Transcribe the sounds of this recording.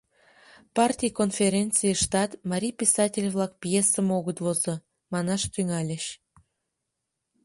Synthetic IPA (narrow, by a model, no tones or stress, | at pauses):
pɑrtʲijkonfʲeɾʲent͡sɨjəʃt̪ɑt̪mɑɾʲijpʲisɑtʲelʲvlɑkpjesəmoɣət̪vozə̆ | mɑnɑʃt̪yŋɑlʲəɕ